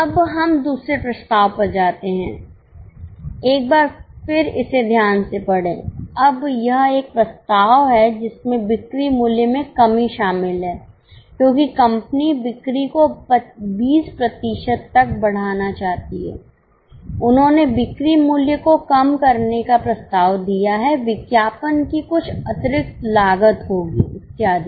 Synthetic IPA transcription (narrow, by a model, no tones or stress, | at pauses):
ɐbɦɐmd̪uːsɾepɾɐst̪aːʋpɐɾd͡ʒaːt̪eɦɛ̰̃ː | eːk̚baːɾfɪɾɪ̰sed̪ʱjaːnsepɐɽ̤ḛ̃ːɐbjɐɦeːk̚pɾɐst̪aːʋɦɛd͡ʒɪsmẽbɪkɾimuːljəmẽkɐmiʃaːmɪlɦɛː | kjõːkikɐ̃mpnibɪkɾikopbiːspɾɐt̪ɪʃəd̪t̪ːɐk̚bɐɽ̤aːnat͡ʃaːɦt̪iɦɛ̰ː | ʊnɦõnebɪkɾimʊljəkokɐmkɐɾnekapɾɐst̪aːʋd̪ijaɦɛʋɪkjaːpənkikʊt͡ʃʰɐt̪ɾɪk̚t̪laːɡət̪ɦoːɡiɪt̪ːjaːd̪ʱi